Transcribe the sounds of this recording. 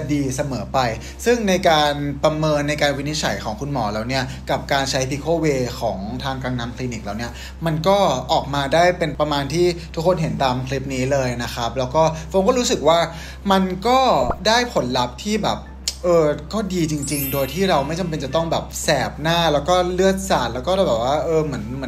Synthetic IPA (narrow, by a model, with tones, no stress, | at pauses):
diː˧sa˧mɤː˩˦pa˧j | sɯ˥˩ŋna˧jkaː˧npɾa˧mɤː˧nːa˧jkaː˧nwi˦˥ni˦˥t͡ɕʰa̰˩˦jkʰɔː˩˦ŋkʰu˧nmɔː˩˦laː˨˩wni˦˥ɐ | ka˨˩p̚kaː˧nt͡ɕʰa˦˥jbiː˧kʰoː˧˩weː˧kʰɔː˩˦ŋt̪ʰaː˧ŋkaː˧ŋnaː˦˥mkʰliː˧ni˨˩k̚laː˨˩wni˦˥ɐ | ma˧nkɔː˥˩ʔɔː˨˩k̚maː˧daː˥˩jpe˧npɾa˧maː˧nt̪ʰiː˥˩t̪ʰu˦˥kʰːo˧nɦe˩˦nt̪aː˧mkʰli˦˥p̚niː˦˥lɤː˧jna˦˥kʰa˦˥p̚lɛː˦˥wkɔː˥˩pʰo˧ŋkɔː˥ɾu˦˥sɯ˨˩k̚waː˥˩ | ma˧nkɔː˥˩daː˥˩jpʰo˩˦nla˦˥p̚t̪ʰiː˥˩bɛ̰ː˨˩p̚ | ʔɤː˧kɔː˥˩diː˧t͡ɕi˧ŋt͡ɕi˧ŋdoː˧jt̪ʰiː˥˩ɾa˧wma˥˩jt͡ɕa˧mp̬e˧nt͡ɕa˨˩t̪ɔ˥˩ŋbɛː˨˩p̚sɛː˨˩p̚naː˥˩lɛː˦˥wkɔː˥˩lɯ˥˩ət̪̚saː˨˩t̪̚lɛː˦˥wkɔː˥da˥˩bɛː˨˩p̚waː˥˩ʔɤː˧mɯ˩˦ənmɯ˩˦